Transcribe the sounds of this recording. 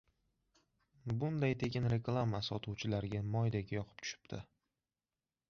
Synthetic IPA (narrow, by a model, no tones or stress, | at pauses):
bʊnd̪ajt̪ʰe̞kʲɪnɾe̞klˠamasɒt̪ʰuwt͡ʃʰɪlaɾɡʲamɒjd̪aɡʲjɒqʰɨ̥p̚t͡ʃ̪ʰʊ̥ʃɪ̥pt̪ʰɪ